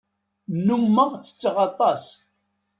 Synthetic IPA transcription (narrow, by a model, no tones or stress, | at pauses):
numːəʁt͡sːə̥t͡sːʁɑt̪ˤːɑs